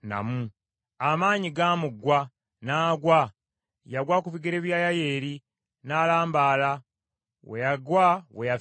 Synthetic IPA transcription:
na̰mu | amaːɲiɡaːmuɡwa | naːɡwa | jaɡwaːkuviɡeɾeβjaːjaje̞ːɾi | naːlaːmbaːla | wejaɡwaweja

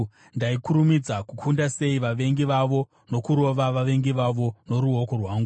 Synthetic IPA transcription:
ndaikuɾumid͡zakukʰundase̞iʋaʋe̞ŋɡiʋaʋo̞ | no̞kuɾo̞ʋaʋaʋe̞ŋɡiʋaʋo̞no̞ɾuoko̞rwaːŋɡu

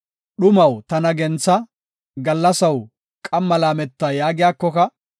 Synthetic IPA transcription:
ɗʊmɐwt̪ɐnɐɡɛnt͡sːɐ | ɡɐlːɐsɐw | kʼɐmːɐlaːmɛt̪ːajaːɡɪjaːkːɔkɐ

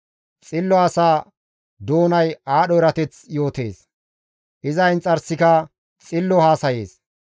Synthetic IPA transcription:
t͡sʼɪlːɔɐsaː | d̪o̞ːnɐjaːɗɔɪɾɐt̪ɛt͡sjo̞ːt̪e̞̰ːs | ʔɪzɐjnt͡sʼɐɾsɪkɐ | t͡sʼɪlːɔhaːsɐjeːs

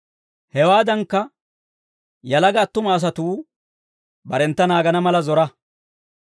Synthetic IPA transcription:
hɛwaːd̪ɐŋkːɐ | jɐlɐɡɐːt̪ːʊmɐːs̬ɐt̪uː | bɐɾɛnt̪ːɐnaːɡɐnɐmɐlɐzɔɾɐ

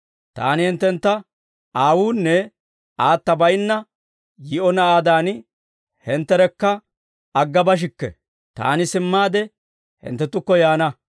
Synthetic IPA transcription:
t̪a̰ːnɪhɪnt̪ːɛnt̪ːɐ | aːwuːnːɛ | aːt̪ːɐbɐjnːɐ | jɪʔɔnɐaːd̪aːn | hɛnt̪ːɛɾɛkːɐ | ɐɡːɐbɐʃ̬ɪkːɛ̰ | t̪a̰ːnɪsɪmːaːd̪ɛ | hɪ̰nt̪ːɛt̪ːʊkːɔjaːnɐ

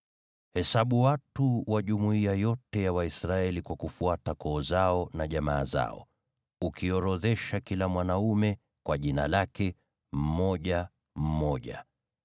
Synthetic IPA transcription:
hɛsaɓuwatuwaʄumuiajɔtɛjawaisɾaɛlikwakufuatakʰɔːzaɔnaʄama̰ːza̰ɔ̰ | ukʰiɔɾɔðɛʃakilamwanaumɛ | kwaʄina̰lakɛ | m̩mɔʄa | m̩mɔʄa̰

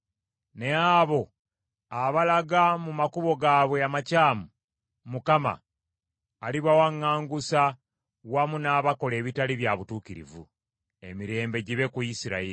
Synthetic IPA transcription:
ne̞aːβo̞ | aβalaɡamumakuβo̞ɡaːβwe̞amacaːmu | mukama̰ː | liβawaŋːaːŋɡusa | wamunaːβako̞le̞ːβitaliβjaβutuːkiɾḭvṵ | e̞̰miɾe̞ːmbe̞ɟiβe̞kuisiɾa̰ii

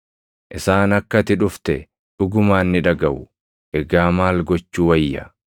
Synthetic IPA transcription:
ʔɪsaːnɐkːɐt̪ɪᶑʊft̪ɛ | ᶑʊɡʊmaːnːɪᶑɐɡɐʔʊ | ʔɛɡaːmaːlɡɔt͡ʃːuːwɐjːɐ

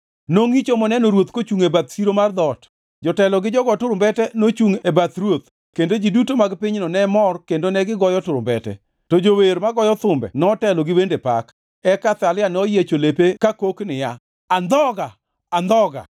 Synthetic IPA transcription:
noŋit͡ʃomɔnɛnoɾwot̪kot͡ʃuŋebat̪siɾomard̪ɔt | d͡ʒɔtɛlɔɡɪd͡ʒɔɡɔtʊɾʊmbɛtɛnot͡ʃuŋebat̪ɾwot̪ | kendod͡ʒidutomaɡpɪɲnɔnɛmɔrkendonɛɡɪɡɔjɔtʊɾʊmbɛtɛ̰ | tɔd͡ʒoweɾmaɡɔjɔt̪ʊmbɛ̰nɔtɛlɔɡɪbendepa̰k | ɛkat̪alɪjanɔjet͡ʃolepekakoknɪja | and̪ɔɡaː | nd̪ɔɡa̰

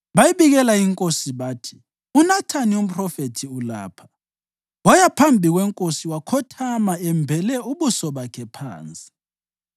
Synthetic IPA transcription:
βajiβiɣɛlaiŋkʼosiβaːtʰi̥ | unatʰanium̩pʰʼrɔfetʰiula̰ːpʰḁ | wajapʰambʱiɣwɛŋkʼosiwakʰɔtʰamaɛmbʱɛlɛuβusɔβakʰɛpʰa̰ːnt͡sʼi̥

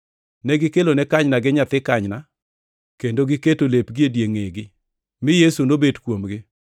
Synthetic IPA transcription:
nɛɡɪkelonɛkaɲnaɡɪɲat̪ɪkaɲna | kendoɡɪketolepɡiedjeŋeɡɪ | mɪjesunobedkwomɡɪ

